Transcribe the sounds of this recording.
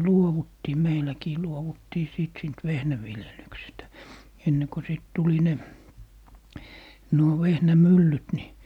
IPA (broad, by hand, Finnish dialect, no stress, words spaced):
luowutːiː meilækiː luowutːiː siˑt siːnt ʋehnæʋiljelyksestæ enːe ko siˑt tuli ne nuo ʋehnæmylːyt ni